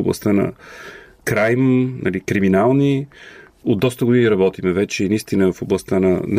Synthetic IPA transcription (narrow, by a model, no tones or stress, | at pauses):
oblˠɐ̰st̪anɐ̰ | kɾajmnʔɐ̰likɾiminalˠni | od̪d̪ːɔst̪əɡʊd̪iniɾɐbɔt̪imɛvɛt͡ʃɛinɐist̪inəvfoblˠɐst̪anɐn